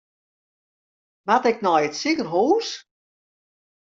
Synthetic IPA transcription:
ʋatɪknɔjətsikərɦuːs

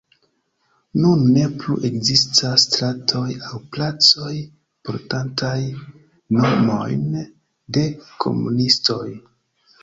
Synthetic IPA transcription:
nunːe̞plṵʔe̞kzistʰasːtɾatʰo̞jawplat͡so̞j | po̞ɾtantaj | nomo̞̰jn | de̞kʰo̞̰mṵnisto̞j

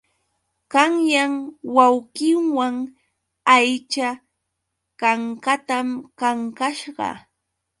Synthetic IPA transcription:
kaŋjaŋwawkɪŋwaŋ | ajt͡ʃa | kaŋkat̪amkaŋkaʃɢɑ̰

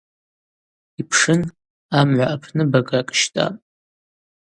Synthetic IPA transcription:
ipʰʂɨn | amʕʷaʔapʰnɨbaɡʼakʼʃtʼa̰pʼ

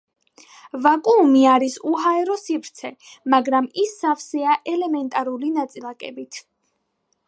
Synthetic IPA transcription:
vakʼuːmiaɾisuɦaɛɾɔsipʰɾt̪sʰɛmaɡɾamisːafsɛaʔɛlɛmɛnt̪ʼaɾulinat̪sʼilˠakʼɛ̰bit̪ʰ

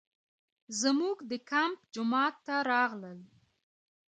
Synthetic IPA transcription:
zmuɡd̪əkampd͡ʒʊmɑt̪ːaɾɑɣləl

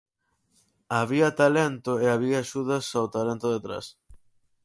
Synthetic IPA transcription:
aβiɐt̪alɛnt̪ʊeaβiɐːʃuðɐsawt̪alɛnt̪ʊðet̪ɾa̰s

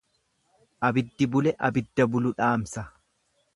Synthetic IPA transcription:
ʔɐbɪd̪ːɪbʊlɛʔɐbɪd̪ːɐbʊlʊᶑaːmsɐ

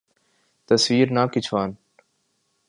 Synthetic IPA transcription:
t̪əsʋiːɾnaːkɪt͡ʃʰʋaːn

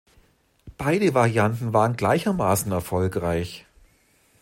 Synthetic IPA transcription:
b̥aɪdəvaʁjantn̩vaːʁənɡlaɪçɐmaːsn̩ɛɐfɔlkʁaɪç

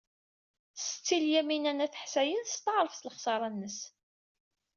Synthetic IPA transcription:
sə̥t͡sːiljæminænæθəħsæjənθst̪ːəʕɾˤəfθləχsˤɑɾˤɑnːəs

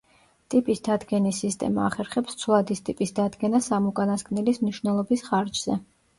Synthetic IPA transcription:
t̪ʼipʼisd̪ad̪ɡɛnisːist̪ʼɛ̰ma̰ːχɛɾχɛpst̪sʰwlˠad̪ist̪ʼipʼisd̪ad̪ɡɛnasamukʼanaskʼnɛlismniʃwnɛlˠɔbisχaɾd͡ʒz̥ɛ

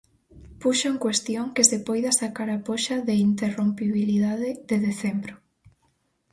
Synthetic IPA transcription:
puʃoŋkwest̪joŋkɪsepɔjðɐsakaɾapoʃaðeint̪erompiβiliðaðɪðeðeθembɾo

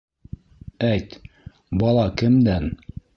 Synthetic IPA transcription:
æjt̪ | bɑlˠɑkɘ̆md̪æn

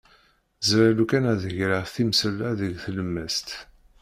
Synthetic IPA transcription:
zɾalukænæðəʝɾəθimsəlæðəʝθələmːəst̪

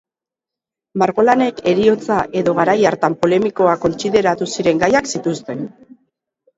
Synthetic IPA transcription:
maɾɣo̞lane̞ke̞ɾio̞t͡saʔe̞ðo̞ɣaɾajaɾt̪ampo̞le̞miko̞ako̞nt͡siðe̞ɾat̪usiɾe̞ŋɡajaksit̪ust̪e̞n

